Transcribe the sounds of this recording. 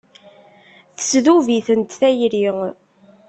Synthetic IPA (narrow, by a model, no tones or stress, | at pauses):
θə̥sðuviθənt̪θæjɾi